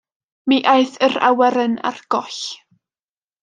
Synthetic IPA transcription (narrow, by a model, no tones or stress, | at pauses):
miʔajθəɾa̰wɛɾəna̰rɡ̥ɔɬ